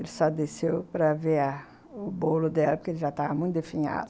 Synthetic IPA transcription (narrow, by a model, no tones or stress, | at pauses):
elɪsɔd̪esewpɾɐveɐ | ʊbolʊd̪ɛlɐpʊɾkelɪʒat̪avɐmũj̃t̪ʊd̪efĩɲa̰d̪ʊ